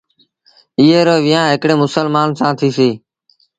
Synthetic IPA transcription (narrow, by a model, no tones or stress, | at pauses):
iɦeːɾoːʋijãːɦɪkɽeːmʊsəlmaːnsãːt̪ʰiːsiː